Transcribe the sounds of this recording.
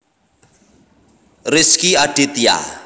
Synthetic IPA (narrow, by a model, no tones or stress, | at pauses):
rɪskiad̥it̪ja̰